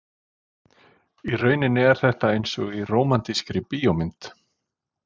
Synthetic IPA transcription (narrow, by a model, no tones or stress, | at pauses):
irœːɥnɪnɪɛɾ̥θɛht̪aejnsɔɣiroːwmant̪iskɾɪpiːomɪnt̪